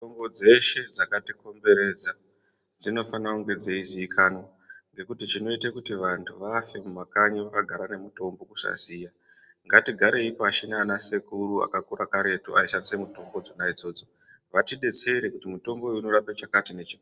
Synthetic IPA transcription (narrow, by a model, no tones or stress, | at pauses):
ombo̞d͡ze̞ʃe̞d͡zakatiko̞mbe̞ɾe̞d͡za | d͡zino̞fanakuŋɡe̞d͡ze̞iziːkʰano̞ | ŋɡe̞kutit͡ʃino̞itekutiʋantʰuʋaːsemumakaɲiʋakaɡʱaɾane̞muto̞mbo̞ku̥sa̰zija | ŋɡatiɡʱaɾe̞ipaʃinaːnasekurua̰kakuɾakaɾe̞tuaisanisemuto̞mbo̞d͡zonaid͡zo̞ːd͡zo̞ʋatiɗe̞t͡se̞ɾe̞kutimuto̞mboino̞ɾapet͡ʃakatinet͡ʃi